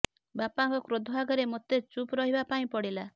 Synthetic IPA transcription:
bapaŋkɔkɾod̪ʱɔbʱaɡɔɾemot̪et͡ʃupɾɔɦibapaĩpɔɽila

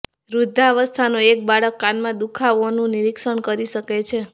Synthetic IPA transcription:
ɾud̪ʱaʋəst̪ʰanoek̚baɭəkːanmãd̪ukʰaʋonũniɾikʃəɳkəɾiʃəket͡ʃʰe

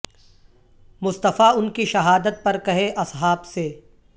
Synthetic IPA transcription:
mʊst̪əfaʊnkiʃɐɦaːd̪ət̪̚pɐɾkɐɦeʔɐsɦaːbseː

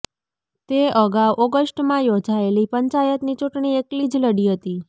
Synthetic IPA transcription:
t̪eəɡaʋʔoɡəsʈmãjod͡ʒaelipəɲt͡ʃajət̪nit͡ʃuʈɳieklid͡ʒləɽiɦət̪i

